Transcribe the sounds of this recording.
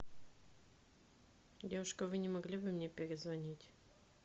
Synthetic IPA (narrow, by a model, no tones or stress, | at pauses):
dʲevʊʂkəvɨnʲɪmɐɡlʲibɨmnʲepʲɪɾʲɪzvɐnʲitʲ